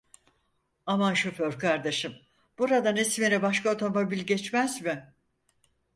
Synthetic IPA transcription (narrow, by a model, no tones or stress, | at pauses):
amanʃoføɾkʰaɾd̪eʃɯm | b̥uɾad̪anesmeɾɛbaʃkaot̪ʰo̞mo̞bilʲɟɛt͡ʃmæzmɪ